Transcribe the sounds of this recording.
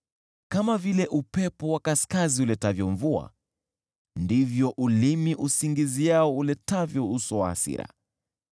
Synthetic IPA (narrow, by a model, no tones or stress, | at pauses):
kamavilɛʔupɛpɔwakaskaziulɛtavjɔɱvua̰ | ndivjɔʔulimiʔusiŋɡizijaɔulɛtavjɔusɔwaːsḭɾa̰